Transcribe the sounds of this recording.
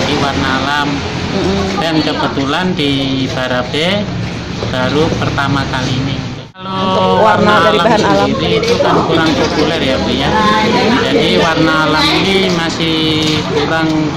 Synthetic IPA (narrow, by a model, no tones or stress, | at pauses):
diwarnaːlam | dankəbət̪ulandib̥aɾabe | b̥aɾupərt̪amakaliːni | alowarnalamiɾiːt̪ukankuɾaŋpopulɛrjabijad͡ʒadiwarnaːlaminimasɪh | kuɾaŋ